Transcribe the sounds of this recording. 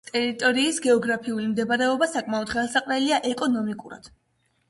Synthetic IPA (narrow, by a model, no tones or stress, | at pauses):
t̪ʼɛɾit̪ʼɔɾiːsɡɛɔɡɾapʰiulimd̪ɛbaɾɛɔbasakʼmaɔd̪̥χɛlˠsaqʼɾɛliaʔɛkʼɔnɔmikʼuɾa̰d̪̥